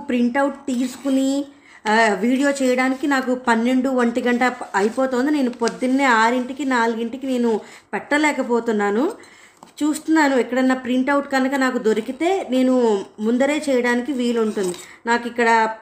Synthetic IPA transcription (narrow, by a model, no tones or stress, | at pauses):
pɾiɳʈɐwʈt̪iːsu̥kuni | ʋiːɽijo̞ːt͡ʃɛːjɐɽaːnikinaːkupɐnːe̞ɳɖuʋɐɳʈiɡɐɳʈɐɐjipɔːt̪oːnd̪ine̞ːnupod̪ːinːeːaːɾiɳʈikinaːluɡiɳʈikine̞ːnu | pɛʈːɐlɛːkɐpoːt̪unːaːnu | t͡ʃuːst̪unːaːnuɛkːɐɽɐnːɐpɾiɳʈɐwʈkɐnukɐnaːkud̪o̞ɾikit̪e̞ːne̞ːnumund̪ɐɾe̞ːt͡ʃɛːjɐɽaːnikiʋiːluɳʈund̪i | naːkikːɐɽɐ